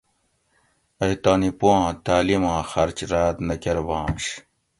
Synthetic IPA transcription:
ɐjt̪aːnipoãːt̪aːlimãːxɐɾt͡ɕɾaːt̪nɐkeɾbãːmɕ

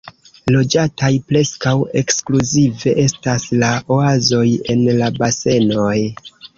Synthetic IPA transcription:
lo̞d͡ʒatajpɾe̞skawe̞kskluzive̞ʔe̞staslao̞azo̞je̞nlabase̞noj

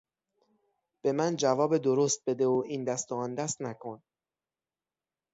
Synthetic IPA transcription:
b̥e̞mænd͡ʒævɒːbed̪oɾost̪̚be̞d̪e̞oʔiːnd̪æst̪oɒnd̪æst̪nækʰon

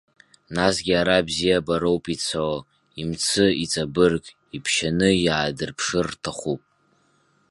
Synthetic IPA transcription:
nasɡʲiaɾabzijabaɾowpʼit͡sʰaw | imt͡sʰɨit͡sʼabɨrkʼ | ipʰʃanɨjaːdɨrpʰʂɨrtʰaχʷupʼ

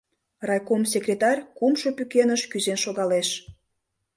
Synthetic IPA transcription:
rɑjkoms̬ʲekrʲet̪ɑrʲkumʃopykenəʃkyzenʃoɣɑleʃ

